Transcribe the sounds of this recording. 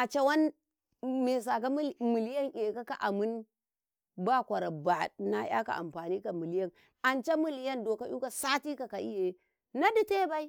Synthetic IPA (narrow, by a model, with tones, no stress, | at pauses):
ʔa˨t͡ʃa˦wa˦n | me˨s̬a˨ka˦m˦mɨ˨li˦ja˦ŋʔe˨ka˦ka˨ʔa˨mɨ˦n | ba˦˨kʷa˨ɾa˨ba˨na˦ja̰˦ka̰˨ʔa̰˨mɸa˨ni˦ka˨mɨ˨li˦ja˦˨n | a˨nt͡ʃa˦mu˦li˦ja˦ndo˨ka˦ʔu˦ka˨sa˦ti˦ka˨ka˨ʔḭ˦je˨˦ | na˦di˦te˦ba˦i˦